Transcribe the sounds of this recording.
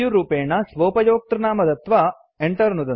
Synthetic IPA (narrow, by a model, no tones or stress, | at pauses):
juɾuːpeːɳɐsʋoːpɐjoːk̚t̪ɾɐnaːmɐd̪ɐt̪ʋɐ | eɳʈɐɾnud̪ɐ